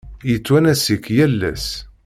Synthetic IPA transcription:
jət͡sːwænæsikːjælːæ̰s

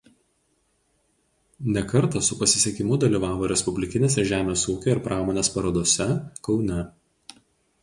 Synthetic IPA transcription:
nʲɛkɐɾt̪ɐsʊpɐsʲɪ̥sʲeɛkʲɪmʊd̪ɐlʲiːʋɑːʋoːɾʲɛspʊbʲlʲɪkʲɪnʲeːs̬ʲɛʒʲæːmʲeːsuːkʲoɪɾpɾʔɑːmoːnʲeːspɐɾɐd̪oɔsʲɛkɒʊnʲɛ

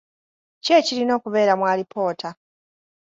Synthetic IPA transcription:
ce̞ːcilino̞ːkuβe̞ːɾamwaːlipʰo̞ːtʰa

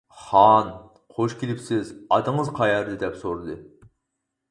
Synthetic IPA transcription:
χɑn | qʰoʃkʲʰilɪpsɪzɑd̪əŋəzqʰɑjɑɾd̪ɨd̪ɛpsoɾɨd̪ɨ

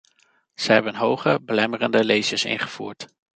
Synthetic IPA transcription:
z̥əɦɛbənɦowχəbəlɛmərəndəlejsəsɪ̰nχəv̥ṵːɹt

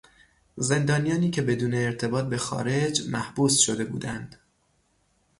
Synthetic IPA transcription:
ze̞nd̪ɒːnijɒːniːcʰe̞be̞d̪uːne̞ːɾt̪ʰe̞bɒːt̪̚be̞xɒ̰ːɾe̞d͡ʒmæhbuːsʃo̞d̪e̞bṵːd̪ænd̪̥

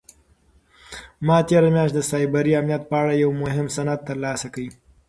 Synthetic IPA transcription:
mɑt̪eɾamjɑʃ̬td̪əsɑjbaɾiamnijat̪̚pəaɽajawmʊɦɪmsanat̪ːəɾlɑsakawi

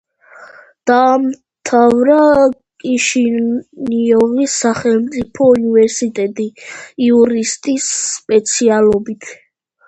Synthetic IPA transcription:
d̪̥aːm | t̪ʰavɾakʼiʃiniɔvisaχɛlmt̪sʼipʰɔunivɛɾsit̪ʼɛt̪ʼiiuɾist̪ʼisːpʼɛt̪sʰialɔbit̪ʰ

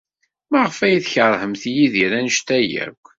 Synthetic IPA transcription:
mæʁfæjiθçəɾˤhəmθjiðiɾænəʃt̪æjæ̰kʷː

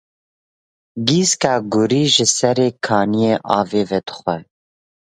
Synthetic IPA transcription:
ɡiːskɑːɡʊɾiːʒɨsɛɾeːkʰɑːnijeːʔɑːveːvɛd̪ə̥xʷɛ

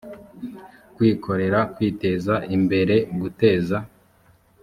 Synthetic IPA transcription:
kwiːkʰo̞ɾe̞ɾakwiːte̞zaimbe̞ɾe̞ɡute̞ːza

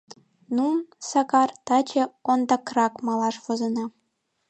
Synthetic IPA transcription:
nunsɑkɑrt̪ɑt͡ɕĕond̪ɑkrɑkmɑlɑʃβŏzɤ̆nɑ

